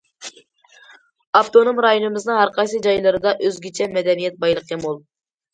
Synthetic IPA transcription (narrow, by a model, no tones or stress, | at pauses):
ɑft̪onomɾɑjonɨmɪznɨŋhɑɾqʰɑjs̬ɨd͡ʒɑjlˠɨɾɨd̪ɑʔøzɡʲɪt͡ʃʰɛmɛd̪ɛnijɛt̪̚bɑjlˠəqjɑmolˠ